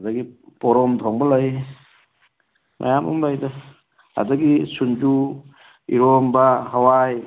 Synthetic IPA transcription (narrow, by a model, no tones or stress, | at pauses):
dɐɡipɔɾɔmtʰɔŋbɐlɐj | ma̰jamṵmlajdɐ | a̰dɐɡisund͡ʒu | iɾɔmbaɦawaj